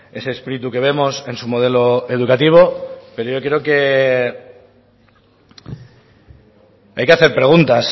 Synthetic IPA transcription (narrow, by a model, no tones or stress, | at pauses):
e̞seːspiɾit̪uke̞β̞e̞mo̞se̞nsumo̞ð̞e̞lo̞e̞ðukat̪iβ̞o̞pe̞ɾoʝo̞kɾeoke̞ | ajke̞aθe̞ɾpɾe̞ɣ̞unt̪as